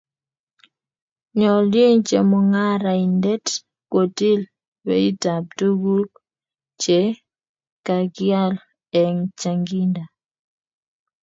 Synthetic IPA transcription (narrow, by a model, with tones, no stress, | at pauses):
ɲɔ˨lje˦ŋt͡ʃe˨mɔ˨ŋa˦ɾa˨i˨ndɛ˦t | kwo˨ti˦l | bɛ̰˨i˦ta˨p̚tu˦ɡu˦l | t͡ʃɛ˨ | ka˨ɡja˦l | ɛ˨ŋt͡ʃa˨ŋɡi˦nda˨